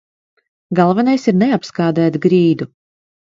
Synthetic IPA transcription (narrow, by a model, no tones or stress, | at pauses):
ɡalˠvɛnajsiɾneapskaːd̪æːt̪ɡɾiːd̪u